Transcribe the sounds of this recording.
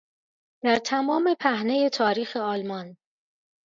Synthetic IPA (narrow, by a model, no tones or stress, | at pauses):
d̪̥æɾt̪ʰæmɒːme̞pʰæhne̞je̞t̪ʰɒːɾiːxe̞ɒːlmɒn